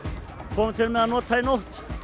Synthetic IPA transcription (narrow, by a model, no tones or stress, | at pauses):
kʰɔːmɪt̪ʰɪlmɛðanɔːt̪ʰajnoht̪